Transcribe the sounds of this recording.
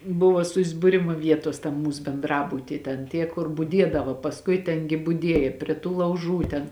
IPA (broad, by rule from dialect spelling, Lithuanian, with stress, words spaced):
ˈbʊʋoː sʊzbʊˈrʲɪmʊ ˈʋʲiɛtoːs tɐm ˈmuːs bʲɛnˈdrɑːbʊtʲiː tʲɛn ˈtʲiɛ kʊr bʊˈdʲiɛdɐʋɐ pɐsˈkʊɪ ˈtʲɛn ɡʲɪ bʊˈdʲiɛjɛ pʲrʲiɛ tuː lˠɐʊˈʒuː ˈtʲɛn